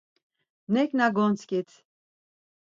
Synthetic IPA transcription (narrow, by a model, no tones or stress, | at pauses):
nɛknaɡɔnt͡sʰkʼit̪ʰ